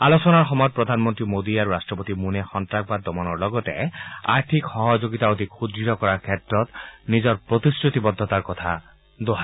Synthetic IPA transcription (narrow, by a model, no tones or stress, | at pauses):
alosɔnaɹxɔmɔjɔt̪̚pɹɔd̪ʱanmɔnt̪ɹimod̪iaɹuɹastɹɔpot̪imunexɔntɹak̚bad̪ɔmɔnɔɹlɔɡɔtḛa̰ɹt̪ʰikxɔɦɔd͡ʒoɡit̪aod̪ʱikxudiɾɔkɔɹakʰɛtɹɔt̪nizɔɹpɹot̪isɹut̪ibɔd̪ʱːɔt̪aɹkɔt̪ʰa | d̪oɦa